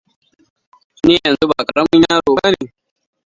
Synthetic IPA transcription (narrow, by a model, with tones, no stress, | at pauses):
ne˦jɐ˨nzu˦baː˨kʼɐ˨ɾɐ˦mːʊ˦ɲjaː˦ɾoː˨ba˦niː˨